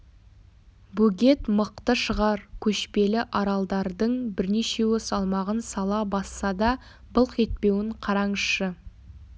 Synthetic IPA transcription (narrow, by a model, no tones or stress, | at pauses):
buɡʲe̞t̪məq̚t̪əʃəʁɑɾkʲʰɵʃpe̞lɪʔɑɾɑlˠd̪ɑɾd̪əɴbɪɾne̞ʃe̞wɵsɑlˠmɑʁənsɑlˠɑbɑsːɑd̪ɑ | bəlˠqe̞t̪̚pe̞wɪɴqʰɑɾɑɴʃə